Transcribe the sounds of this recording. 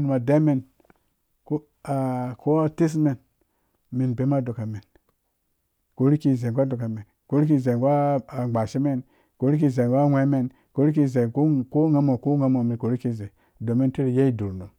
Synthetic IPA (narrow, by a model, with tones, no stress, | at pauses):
nu˨ma˨de˦me˨n | ko˦ | a˨ko˦a˦ti˦s̬me˨n | mi˨nbe˨˦ma˦do˨ka˨me˨n | ko˨˦ɾi˦ki˨ze˨ŋ˨ɡʷa˦do˨ka˨me˨n | ko˦ɾi˦k̬i˦ze˨ɡʷaː˦˨ɡ͡ba˨ʃi˦me˦˨n | ko˨˦ɾi˦ki˧ze˨ŋɡa˦wʷe˦me˨n | ko˦ɾi˦k̬i˦ze˨˦ko˦ŋa˦mo˨ko˦ŋa˦mo˨mi˨ko˨ɾi˦ki˦ze˨ | do˨me˦n˦ti˦ɾi˨je˦i˦du˨ɾno˨m